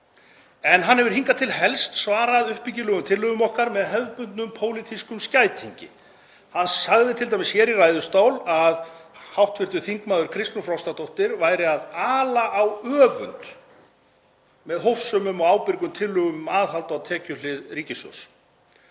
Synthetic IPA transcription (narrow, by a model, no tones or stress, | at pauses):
ɛnɦanhɛvʏɾ̥hiŋkat̪ʰɪlɦɛlst̪svaːɾaðʏhpicɪlʏɣʏmt̪ʰɪlːʏɣʏmɔhkaɾmɛðɦɛvpʏnt̪nʏmpʰoːwlit̪ʰiskʏmscaːjt̪ʰiɲcɪ̰ | hanːsaɣðɪt̪ʰɪlt̪̬ajmɪsçɛːɾirajðʏst̪aːwlaðhawht̪vɪɾt̪ʏ̥θiŋkmaːðʏɾkʰɾɪst̪nʏfɾawst̪at̪owht̪ɪɾvaːjɾɪaðaːlaʔawœːvʏ̰nt̪ | mɛðɦowfsʏːmʏmɔawpɪɾkʏmt̪ʰɪlːʏɣʏmaːðɦalt̪awt̪ʰɛːcʏlɪðriːcɪsɔ̰s